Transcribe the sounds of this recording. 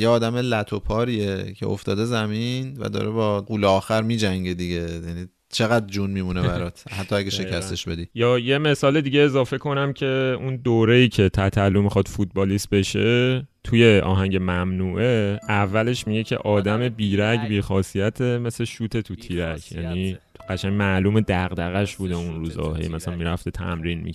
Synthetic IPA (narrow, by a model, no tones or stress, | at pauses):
jeɒːd̪æmelæt̪ʰo̞pʰɒːɾiecʰeʔo̰ft̪ɒ̰ːd̪ezæminvæ̰d̪ɒ̰ːɾebɒːɡuːleɒːxæɾmiːd͡ʒæŋɟed̪iɟe̞jæni | t͡ʃʰe̞ɣæd̪d͡ʒunmiːmunebæɾɒːt̪ʰhæt̪ːɒæɡeʃe̞cʰæst̪eʃbe̞d̪iːjɒːje̞me̞sɒːled̪iːɟe̞ːzɒːfe̞kʰo̞næmcʰe̞und̪oːɾe̞iːcʰe̞t̪ʰæt̪ʰælːumixɒd̪̥fut̪̚bɒːlist̪̚be̞ʃe̞t̪ʰuje̞ʔɒ̰ːɦæɲɟe̞mæmnuːʔe̞ævːæle̞ʃmiɟe̞cʰe̞̰ʔɒːd̪æme̞biːɾæɟbiːxɒːsijæt̪ʰe̞me̞sleʃuːt̪ʰe̞t̪ʰut̪ʰiːɾæɟjæ̰ːni | ɢ̥æʃæɲmæluːme̞d̪æɣd̪æɣæʃbuːd̪eunɾuːzɒ̰ːhḛjmæsælænmiɾæft̪et̪ʰæ̰mɾiːnmḭ